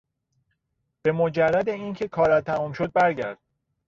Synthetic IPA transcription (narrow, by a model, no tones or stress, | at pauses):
b̥e̞mod͡ʒærːæd̪eiːncʰe̞kʰɒːɾæt̪ʰːæmuːmʃod̪̚bæɾɟæ̰ɾd̪̥̚